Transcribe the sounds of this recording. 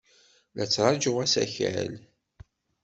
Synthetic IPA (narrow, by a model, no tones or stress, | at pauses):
læt͡sːɾˤɑd͡ʒəʁæsæ̰çæ̰l